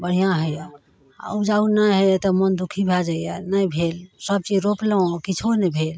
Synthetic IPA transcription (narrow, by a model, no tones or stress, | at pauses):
bəɽ̤ijãɦə | a̰ud͡ʒaunəɦət̪ɔmənd̪ukʰibʱɛld͡ʒajanəjbʱelsəb̚t͡ʃid͡ʒɾopləõkit͡ʃʰonəbʱel